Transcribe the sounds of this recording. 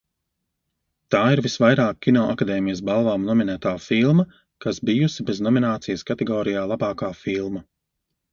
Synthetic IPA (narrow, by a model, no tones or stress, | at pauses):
t̪aːiɾvisvajɾaːkʰʲːinɔːʔakad̪ɛːmijəs̬balˠvaːmnɔminæːt̪aːfilˠmɐ | kasbijusibeznɔminaːt̪sijəskat̪ɛɡɔːɾijaːlˠabaːkaːfilˠmɐ